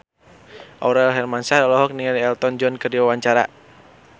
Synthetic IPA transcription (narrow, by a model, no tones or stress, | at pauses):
ʔɔɾɛlɦɛrmansadɔlɔɦɔk̚niŋaliɛlt̪ɔnd͡ʒɔnkɨrdiwawaɲt͡ʃaɾa̰